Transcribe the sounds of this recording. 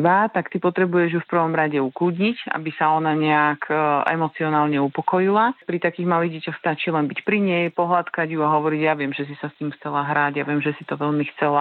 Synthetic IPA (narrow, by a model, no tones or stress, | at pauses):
ʋat̪akt̪ipɔt̪ɾɛbujɛʒjufpr̩ʋɔmɾaɟɛukluːdɲica̰bisaɔnaɲɛakʰɛ̰mɔt͡siɔnaːlɲɛupɔkɔjilapɾit̪akiːɣmaliːɣɟɛcaxst̪at͡ʃiːlɛnbicpɾiɲɛjpɔɦlat̪kaɟjuaɦɔʋɔɾiɟjaʋɪɛmʒɛs̬isast̪iːmxt͡sɛlaɦɾaɟjaʋɪɛmʒɛsit̪ɔʋɛlmixt͡sɛla